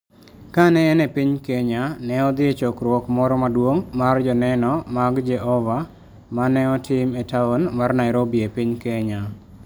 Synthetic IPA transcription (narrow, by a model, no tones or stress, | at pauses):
kanɛːnɛpiɲkeɲanɛɔd̪ɪet͡ʃɔkɾwɔkmɔɾɔmadwoŋmard͡ʒɔnɛnɔmaɡd͡ʒɛɦɔva | manɛɔtʰɪmetaonmarnaɪɾobiepiɲkeɲa